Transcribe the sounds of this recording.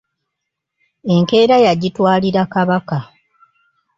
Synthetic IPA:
e̞ŋke̞ːɾajaɟitwaːliɾakaβaka

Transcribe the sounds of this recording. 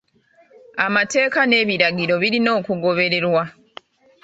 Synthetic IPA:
amate̞ːkane̞ːβiɾaɡiɾo̞βiɾino̞ːkuɡo̞βe̞ɾe̞ɾwa

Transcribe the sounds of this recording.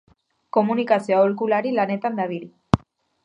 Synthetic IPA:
ko̞munikasioaolkulaɾilane̞t̪and̪aβiɾi

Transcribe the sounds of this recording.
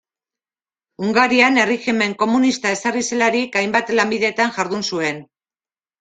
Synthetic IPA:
uŋɡaɾiane̞rixime̞ŋko̞munist̪ae̞sarise̞laɾikajmbat̪lambiðe̞t̪aŋʝaɾðunsue̞n

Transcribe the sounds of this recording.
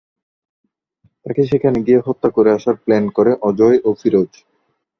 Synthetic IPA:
t̪akeʃekʰaneɡieɦot̪ːakoɾeaʃaɾplɛnkoɾeʔɔd͡ʑɔjʔofiɾod͡ʑ

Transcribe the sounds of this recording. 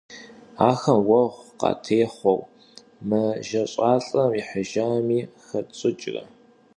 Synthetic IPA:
aːxɐmwɐʁʷqɑ̰ːtʰeːχʷɔw | mɨʒɐɕʼɑːɬʼɐmiħəʒaːmiːxɐt͡sʼɨt͡ʃʼrɐ̰

